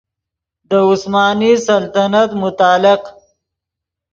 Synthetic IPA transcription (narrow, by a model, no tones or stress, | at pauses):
d̪əʊsmɑːnisɐlt̪anat̪mʊt̪ɑːlɪq